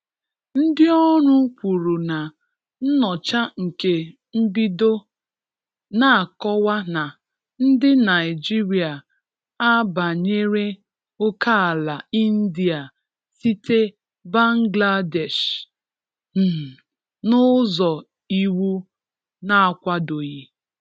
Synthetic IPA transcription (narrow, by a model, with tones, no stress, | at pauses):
n̩˦dɪ˦ɔ˦ɾʊ˦kʷu˨ɾu˨na˨ | n̩˦nɔ˨t͡ʃa˦ŋ̩˨ke˨ | m̩˦bi˦do˦ | na˦a˨kɔ˦wa˦na˨ | n̩˦dɪ˦na˨ɪ˨d͡ʒi˦ɾi˨a˨ | a˦ba˨ɲe˦ɾe˦ | ʊ˦ka˦a˨la˨i˦n̩˦di˨a˨ | si˦te˦ | ba˦ŋ˦ɡla˦dɛ˨ʃ | n̩˨ | nʊ˦zɔ˨ | i˦wu˦ | na˦a˨kʷa˦do˨ɣi˦